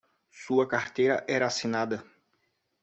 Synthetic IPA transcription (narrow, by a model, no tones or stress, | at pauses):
suɐkaɾt̪ejɾɐʔɛɾɐasinad̪ɐ